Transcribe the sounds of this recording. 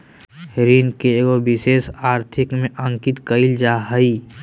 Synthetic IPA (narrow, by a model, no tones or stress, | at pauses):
ɦɾiːnkeɡobɪseːsaːɾt̪ʰɪkmẽʔə̃ŋkɪt̪kəild͡ʒaːɦəiː